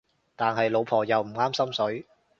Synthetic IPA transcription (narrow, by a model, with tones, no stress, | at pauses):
t̪aː˨nɦɐ˨jlo˨˧wpʰɔː˨˩jɐ˨wm̩˨˩ŋaː˥msɐ˥msɵ˨˥ɥ